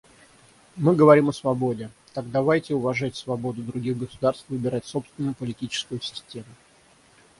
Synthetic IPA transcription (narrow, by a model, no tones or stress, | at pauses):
mɨɡəvɐɾʲiməsvɐbo̞dʲɪ | t̪aɡ̚d̪ɐvajtʲɪʊvɐʐatʲsvɐbo̞d̪ʊd̪ɾʊɡʲiɣɡəsʊd̪arst̪vɨbʲɪɾatʲso̞pst̪vʲɪnːʊjʊpəlʲɪtʲit͡ɕɪ̥skʊjʊsʲɪ̥sʲtʲe̞mʊ